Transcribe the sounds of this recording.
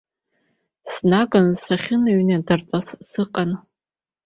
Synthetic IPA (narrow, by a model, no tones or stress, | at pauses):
snaɡʼansaχʲɪnaɥnadart͡sʼassɨqʼan